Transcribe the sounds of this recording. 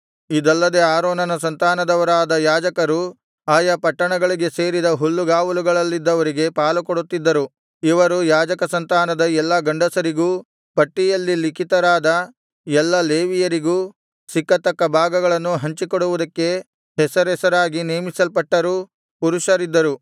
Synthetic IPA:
id̪ɐlːɐd̪e̞aːɾoːnɐnɐsɐnt̪aːnɐd̪ɐʋɐɾaːd̪ɐjaːd͡ʒɐkɐɾu | aːjɐpɐʈːɐɳɐɡɐɭiɡe̞se̞ːɾid̪ɐɦulːuɡaːʋɐluɡɐɭɐlːid̪ːɐʋɐɾiɡe̞paːlukɔɽut̪ːid̪ːɐɾu | iʋɐɾujaːd͡ʒɐkɐsɐnt̪aːnɐd̪ɐɛlːɐɡɐɳɖɐsɐɾiɡuː | pɐʈːijɐlːilikit̪ɐɾaːd̪ɐ | ɛlːɐleːʋijɐɾiɡuː | sikːɐt̪ɐkːɐbʱaːɡɐɡɐɭɐnːuɦɐɲt͡ʃikɔɽuʋud̪ɐkːe̞ | ɦɛsɐɾɦɛsɐɾaːɡineːmisɐlpɐʈːɐɾu | puɾuʃɐɾid̪ːɐɾu

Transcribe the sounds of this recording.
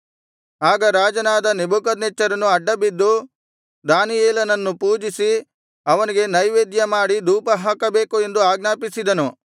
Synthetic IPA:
aːɡɐɾaːd͡ʒɐnaːd̪ɐnebukɐd̪net͡ʃːɐɾɐnuɐɖːɐbid̪ːu | d̪aːnijeːlɐnɐnːupuːd͡ʒisi | ɐʋɐniɡe̞nɐjʋeːd̪jɐmaːɽid̪uːpɐɦaːkɐbe̞ːkue̞nd̪uaːɡnaːpisid̪ɐnu

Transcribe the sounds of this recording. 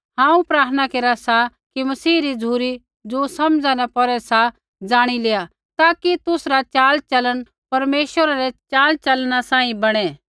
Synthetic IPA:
ɦãːũpɾaːɾt̪ʰənakeːɾasakimɐsiːɾid͡zʱuːɾi | d͡ʒoːsɐmd͡zanɛpɔɾɛsa | d͡zaːɽ̃ileːa | t̪aːkit̪ʊsɾat͡ʃaːlt͡ʃɐləɽ̃ | pɐɾmeːʃʋəɾaɾɛt͡ʃaːlt͡ʃɐlnasãːĩbɐɽ̃ɛ

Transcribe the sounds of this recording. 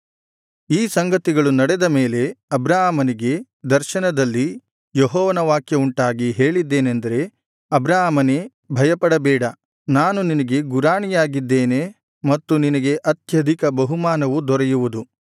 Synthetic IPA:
iːsɐŋɡɐt̪iɡɐɭunɐɽɛd̪ɐme̞ːle̞ɐbɾaːɦmɐniɡe̞ | d̪ɐɾʃɐnɐd̪ɐlːi | jɔɦɔːʋɐnɐʋaːkjɐuɳʈaːɡiɦe̞ːɭid̪ːe̞ːnend̪ɐɾe̞ | ɐbɾaːmɐne | bʱɐjɐpɐɽɐbɛːɽɐ | naːnuninɐɡe̞ɡuɾaːɳijaːɡid̪ːeːne | mɐt̪ːuninɐɡe̞ʔɐt̪jɐd̪ʱikɐbɐɦumaːnɐʋud̪ɔɾɛjuʋud̪u

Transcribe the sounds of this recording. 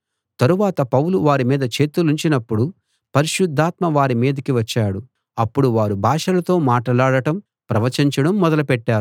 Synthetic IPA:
t̪ɐɾuʋaːt̪ɐpɐwluʋaːɾimiːd̪ɐt͡ʃe̞ːt̪uluɲt͡ʃinɐpːuɽu | pɐɾiʂud̪ʱːaːt̪mɐʋaːɾimiːd̪ɐkiʋɐt͡ʃːaːɽu | ɐpːuɽuʋaːɾubʱaːʂɐlɐt̪o̞ːmaːʈɐlaːɽɐʈɐm | pɾɐʋɐt͡ʃiɲt͡ʃɐɽɐmːɔd̪ɐlɐpɛʈːaːɾu

